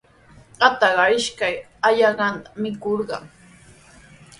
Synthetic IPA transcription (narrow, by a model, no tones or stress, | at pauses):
ɢɑt̪ɑɢɑɪʃkaj | aʎɑɢɑnt̪amɪkoɾɢɑŋ